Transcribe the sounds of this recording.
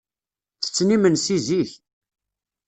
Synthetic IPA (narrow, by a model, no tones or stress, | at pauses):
t͡sːə̥t͡sːnimənsiziç